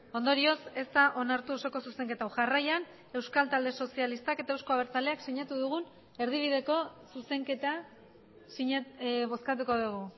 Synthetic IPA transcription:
o̞nd̪o̞ɾio̞se̞st̪aʔo̞naɾt̪uo̞so̞ko̞suse̞ŋke̞t̪awʝarajan | e̞wskalt̪ald̪e̞so̞sialist̪ake̞t̪aewsko̞aβ̞eɾt͡sale̞aksiɲat̪uðuɣ̞un | e̞ɾðiβ̞iðe̞ko̞suse̞ŋke̞t̪a | siɲaβo̞skat̪̬uko̞ðuɣu

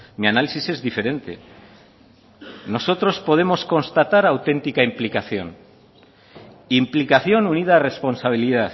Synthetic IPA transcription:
mianalisise̞zðife̞ɾe̞nt̪e̞̰ | no̞so̞t̪ɾo̞spo̞ð̞e̞mo̞sko̞nst̪at̪aɾawt̪e̞nt̪ikaimplikaθjo̞n | implikaθjo̞nunið̞aːre̞spo̞nsaβ̞iliðaθ

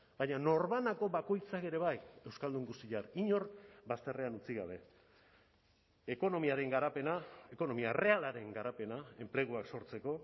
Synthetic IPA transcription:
baɲano̞ɾβanako̞βako̞jt͡sake̞ɾe̞βaje̞wskald̪uŋɡust̪iʎaɾiɲo̞ɾbast̪e̞re̞anut͡siɣaβ̞e̞ | ko̞nomiaɾe̞ŋɡaɾapenaeko̞no̞miare̞alaɾe̞ŋɡaɾape̞nae̞mple̞ɣ̞uakso̞ɾt͡se̞ko̞

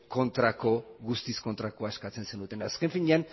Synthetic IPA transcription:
ko̞nt̪ɾako̞ɣust̪isko̞nt̪ɾako̞aeskat͡se̞nsenut̪e̞naske̞ɱfiɲean

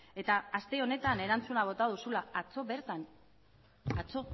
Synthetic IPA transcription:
e̞t̪aːst̪e̞o̞ne̞t̪ane̞ɾant͡sunaβ̞o̞t̪að̞usulaat͡soβeɾt̪an | at͡so̞

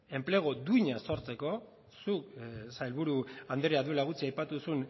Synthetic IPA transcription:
e̞mpleɣ̞od̪uiɲaso̞ɾt͡se̞ko̞ | suksaelβuɾuand̪eɾiaðuelaɣut͡siajpat̪usun

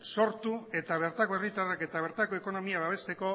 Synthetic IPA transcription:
so̞ɾt̪ue̞t̪aβ̞e̞ɾt̪ako̞erit̪arake̞t̪aβ̞e̞ɾt̪ako̞e̞ko̞no̞miaβaβ̞e̞st̪e̞ko̞

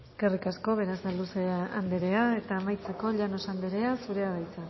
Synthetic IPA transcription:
eke̞rikasko̞β̞e̞ɾazðalusea̰nd̪eɾe̞ae̞t̪aːmajt͡se̞ko̞ʎano̞sand̪eɾe̞asuɾe̞aðajt͡sa

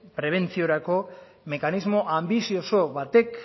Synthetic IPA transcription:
pɾe̞β̞e̞nt͡sio̞ɾako̞ | me̞kanizmo̞ʔambisio̞so̞βat̪e̞k

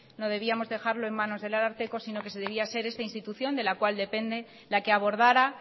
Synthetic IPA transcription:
no̞ð̞e̞βiamo̞zðe̞xaɾlo̞e̞mːãno̞zðe̞laɾaɾt̪e̞ko̞sino̞ke̞seðe̞β̞iase̞ɾe̞st̪ainst̪it̪uθjo̞nd̪e̞lakwald̪e̞pe̞nd̪e̞ | lake̞aβo̞ɾð̞aɾa

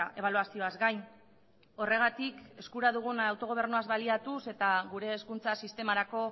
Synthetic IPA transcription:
aʔe̞βaluasio̞azɡaj | o̞re̞ɣ̞at̪ike̞skuɾaðuɣ̞unawt̪o̞ɣo̞e̞ɾnuazβaliat̪use̞t̪aɣuɾe̞ːskunt͡sasist̪e̞maɾako̞

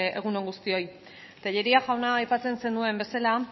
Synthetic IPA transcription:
eɣ̞uno̞ŋɡust̪io̞j | t̪aʎe̞ɾiaʝawnaːjpat͡se̞nse̞nd̪ue̞mbe̞sala

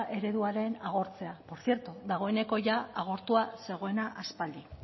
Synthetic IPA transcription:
ʔe̞ɾe̞ðuaɾe̞naɣ̞o̞ɾt͡se̞apo̞ɾsje̞ɾt̪uðaɣ̞o̞e̞ne̞ko̞ʝaaɣ̞o̞ɾt̪uase̞ɣ̞o̞e̞naʔaspald̪i

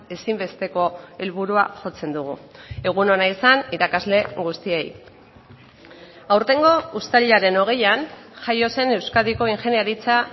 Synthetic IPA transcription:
e̞simbe̞st̪e̞ko̞e̞lβuɾua̰ʝo̞t͡se̞nd̪uɣ̞ue̞ɣ̞uno̞naisaniɾakazle̞ɣust̪iej | awɾt̪e̞ŋɡo̞ust̪aʎaɾe̞no̞ɣ̞e̞janʝajo̞se̞ne̞wskaðiko̞iŋʝe̞njaɾit͡sa

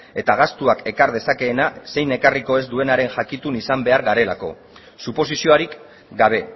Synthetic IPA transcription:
e̞t̪aɣ̞ast̪uake̞kaɾð̞e̞sake̞ːnase̞jne̞kariko̞e̞zd̪ue̞naɾe̞nʝakit̪unisambe̞aɾɣaɾe̞lako̞ | supo̞sisio̞aɾik | ɡaβ̞e̞

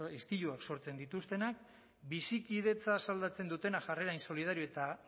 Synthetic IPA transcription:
est̪iʎuakso̞ɾt͡se̞nd̪it̪ust̪e̞nak̚ | bisikiðe̞t͡sasald̪at͡se̞nd̪ut̪e̞naʝare̞ɾainso̞lið̞aɾioet̪a

